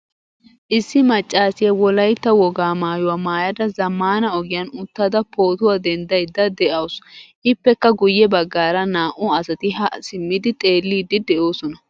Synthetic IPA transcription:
ʔɪsːɪmɐt͡ʃʼːaːsɪjɐwɔlɐjt̪ːɐwɔɡaːmaːjʊwaːmaːjɐd̪ɐzɐmːaːnɐɔɡɪjɐnʊt̪ːad̪ɐpo̞ːt̪ʊwaːd̪ɛnd̪ɐjd̪ɐd̪ɛʔɐwsʔɪpːɛkːɐɡʊjːɛbɐɡːaːɾɐnaːʔʊɐsɐt̪ɪhɐsɪmːɪd̪ɪt̪ʼe̞ːlːiːd̪ɪd̪ɛʔo̞ːsɔnɐ

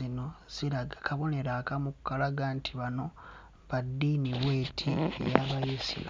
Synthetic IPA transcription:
ino̞z̥iɾaɡakʰaβo̞ne̞ɾakamukukːalaɡantʰiβano̞ | βadːiniβwe̞ːtʰiḛjaβajisḭla

